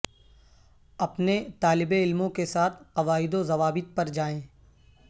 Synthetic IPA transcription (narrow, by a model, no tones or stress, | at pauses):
ɐpnet̪aːlɪbeɪlmõkesaːt̪ʰqɐʋaːɪd̪ozɐʋaːbɪt̪̚pɐɾd͡ʒaːẽː